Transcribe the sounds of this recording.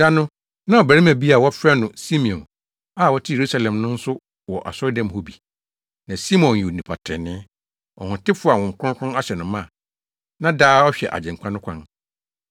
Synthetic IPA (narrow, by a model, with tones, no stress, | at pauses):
da˦nʊ̃˦ | nã˦ɔ˨bæ˨ɾi˦mæ̃˨bi˦a˨wɔ˦fɾɛ˦nʊ̃˨si˦mĩ˨ɔ̃˨n | a˦˨wɔ˦tʰɪ˦je˨ɾu˦sa˦lɛ̃˨mnʊ̃˦n̩˦sʊ˦ | wɔ˨ʔa̰˨sɔ˦ɾdã˦mho˦bi˨ | nã˨si˦mɔ̃˨n˨i˨o˨nĩ˨pʰa˨tʰɪ̰˨nɪ̃˦ | ɔ̰˨hʊ̃˨tɪ˦fʊ˦˨a˨wɔ̃˨ŋ̩˨kʰʊ̃˦kʰʊ̃˦na˦ɕɛ˨nʊ̃˨mã˦˨ | nã˦daː˦ɔ˦ɕᶣɛ̰˨ʔa̰˨d͡ʑɛ̃˨ŋ̩˨kʷʰã˦nʊ̃˦kʷʰã˦n